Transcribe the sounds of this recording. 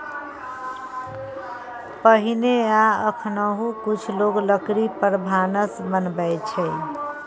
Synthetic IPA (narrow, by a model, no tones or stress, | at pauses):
pəɦineaəkʰnəɦũkut͡ʃʰloɡləkɾipəɾbʱanəsbənbɛt͡ʃʰɛj